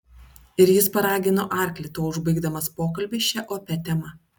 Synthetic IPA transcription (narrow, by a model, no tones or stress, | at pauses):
ɪɾjɪspɐɾɑːɡʲɪnoːʔɑˑɾʲklʲɪt̪oːʊʒbɐɪɡd̪ɐmɐspoːkɐlʲbʲɪʃʲt͡ʃʲɛʔoːpʲɛt̪ʲɛmɐ